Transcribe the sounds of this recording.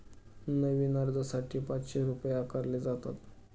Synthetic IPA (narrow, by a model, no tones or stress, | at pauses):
nəʋiːnaɾd̪əsaʈʰiːpat͡sɕeɾupjakəɾled͡zat̪a̰t̪